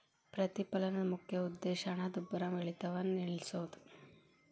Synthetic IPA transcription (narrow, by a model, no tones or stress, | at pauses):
pɾɐt̪ipɐlɐnɐmukʰjɐud̪ːeːʃɐnɐd̪ubːɐɾɐmʋeɭit̪ɐʋɐnniɭisoːd̪u̥